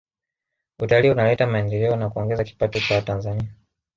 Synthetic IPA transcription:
utaliunalɛtamaɛndɛlɛɔnakuɔŋɡɛzaki̥patɔt͡ʃawatanzania

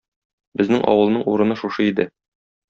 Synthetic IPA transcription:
bɘ̆znɘŋʔɒ̰wɤ̆lˠnɤɴuɾɤ̆nɤʃuʃɤid̪ɘ

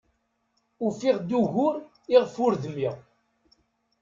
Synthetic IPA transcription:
ufiʁd̪uʝʊɾ | iʁfʊɾðlːiʁ

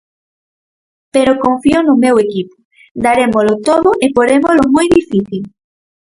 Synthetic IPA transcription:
peɾokõɱfionʊmewekipo̥ | d̪aɾemolʊt̪oðʊʔepoɾemolʊmojðifiθil

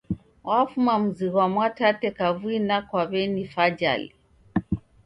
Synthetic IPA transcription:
wafumam̩ziɣwamwatatɛkavwinakwaβɛnifad͡ʒa̰li

